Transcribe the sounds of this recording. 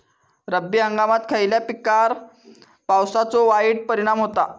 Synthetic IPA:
ɾəbːiɦə̃ŋɡamat̪kʰəiljapikaɾ | pawsat͡sɔʋaiɽ̚pəɾiɽ̃amɦot̪a

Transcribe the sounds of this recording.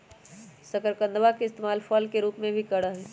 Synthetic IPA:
səkəɾkə̃nd̪ʋakeɪst̪eːmaːlfʰɔːlkeɾuːpmẽbʱikəɽəɦɛ

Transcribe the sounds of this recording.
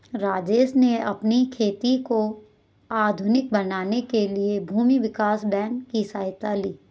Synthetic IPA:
ɾaːd͡ʒeːsneɐpnikʰeːt̪iko | aːd̪ʱʊnɪk̚bɐnaːnekeliebʱuːmiʋɪkaːsbɛ̃ːŋkːisaːjt̪aliː

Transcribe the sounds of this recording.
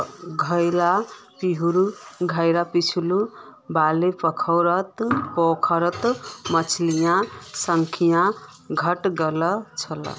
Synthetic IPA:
ɡʱʌjlapiɦuɾuɡʱajɾapit͡sʰulubalepʌkʰawɾʌt̪pokʰaɾʌt̪mʌt͡sʰlijãsʌŋkʰijã | ɡʱʌʈɡʌlʌt͡sʰʌlʌ̰

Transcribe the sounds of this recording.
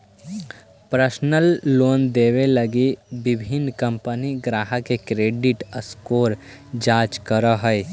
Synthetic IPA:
pɾəsnəlːoːnd̪eːʋeləɡibɪbʱɪnkə̃mpəniɡɾaːɦəkekɾeːɖɪʈəskoːɾ | d͡ʒaːt͡ʃkəɾəɦə

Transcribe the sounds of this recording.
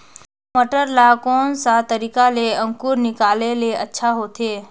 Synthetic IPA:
moʈəɾlakõːnsat̪əɾiːkaleə̃ŋkuːɾnɪkaːleleɐtːʃʰaɦoːt̪ʰeː

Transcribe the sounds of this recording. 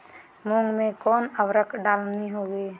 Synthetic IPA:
mõŋɡmẽkɔːnəwɾəkʰɖaːlnniɦoːɡeː

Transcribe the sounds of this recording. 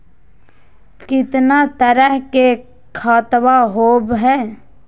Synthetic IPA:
kɪt̪nat̪əɾəɦke | kʰaːt̪waɦoːbɦɛː

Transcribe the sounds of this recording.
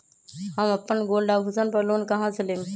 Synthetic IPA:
həmɐpːənɡoːlɖaːbɦʊsənpəɾloːnkɐɦãt͡ʃʰəleːm

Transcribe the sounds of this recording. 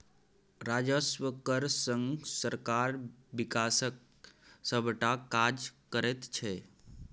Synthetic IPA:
ɾaːd͡ʒəsʋəkəɾsə̃ŋɡsəɾkaɾʋikaːsək̚ | səbʈakad͡ʒkəɾet̪t͡ʃʰe

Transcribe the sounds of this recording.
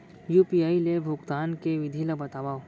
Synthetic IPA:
juːpiaːilebʱʊɡt̪aːnkeʋɪd̪ʱiləbɐt̪aːʋaːo

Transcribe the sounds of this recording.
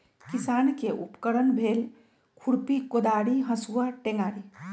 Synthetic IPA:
kisaːnkeʔṵpkəɾənbʱeːl | kʰuɽpikod̪aːɽiɦə̃suːaʈẽŋɡaːɽi

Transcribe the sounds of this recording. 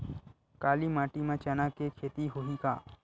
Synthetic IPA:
kaːlimaːʈimãt͡ʃənakekʰeːt̪iɦoɦikaː

